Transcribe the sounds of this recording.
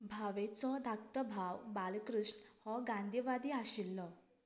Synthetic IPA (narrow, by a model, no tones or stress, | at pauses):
bʱaʋet͡sɔd̪ʱak̚t̪əbʱaʋbalkɾuʂʈhɔɡãnd̪ʱiʋad̪iːaɕilːɔ